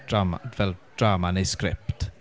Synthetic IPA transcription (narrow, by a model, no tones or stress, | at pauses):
avɛld̥ɹaːmanejskɾɪpt